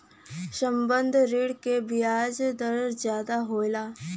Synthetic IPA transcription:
səmbə̃nd̪ʱɾiːɽkebijaːd͡ʒd̪əɾɾzjaːd̪aɦoːlaː

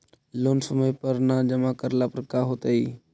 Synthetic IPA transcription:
loːnsəməjpəɾnãːd͡ʒəmakəɾlapəɾkaːɦoːt̪əiː

